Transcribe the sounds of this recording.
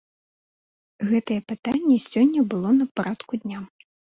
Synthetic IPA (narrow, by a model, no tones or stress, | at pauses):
ɣɛt̪ɐjɛpɨt̪anʲːɛsʲɔnʲːɐbɨlˠɔnɐpɾat̪kud̪ʲnʲa